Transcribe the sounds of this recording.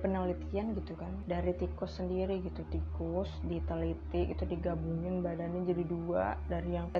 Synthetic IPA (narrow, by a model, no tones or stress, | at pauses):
pənalit̪ianɡit̪ukandaɾit̪ikʊsːəndiɾiɡit̪ut̪ikʊsdit̪alit̪ɪɡit̪udiɡabuŋɪnbadanɲad͡ʒadidua̰daɾijaŋ